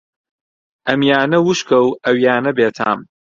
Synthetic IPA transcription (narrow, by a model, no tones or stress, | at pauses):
ʔɐmjaːnɐwuʃkʰɐwɐwjaːnɐbeːt̪ʰa̰ːm